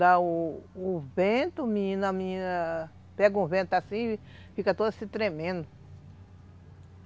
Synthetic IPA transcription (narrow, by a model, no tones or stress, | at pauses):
d̪aʊː | vẽt̪ʊmĩĩnamiĩnɐ | pɛɡɐũvẽt̪ʊasĩ | fikɐt̪od̪ɐsit̪ɾemẽnd̪ʊ